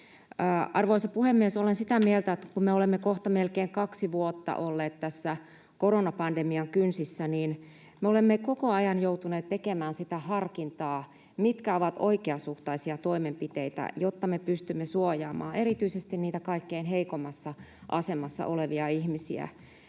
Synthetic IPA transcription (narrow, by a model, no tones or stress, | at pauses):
ʔɑrʋoisɑpuhemːiesolensit̪æmielt̪æet̪ːæ̥kummeolemːekoht̪ɑmelkeːŋkɑksiʋuot̪ːɑ̰ʔolːeːt̪t̪æsːæ | koronɑpɑndemiɑŋkynsisːæniːn | meolemːekokoɑjɑnjout̪uneːt̪t̪ekemæːnsit̪æhɑrkint̪ɑː | mit̪kæoʋɑt̪o̰ikeɑsuht̪ɑisiɑt̪oimempit̪eit̪æ̰jot̪ːɑmepyst̪ymːesuojɑːmɑ̰ːʔeɾit̪yisest̪inniːt̪ækɑikːeinɦeikomːɑsːɑʔɑsemɑsːɑ̰ʔoleʋiɑihmisḭæ̰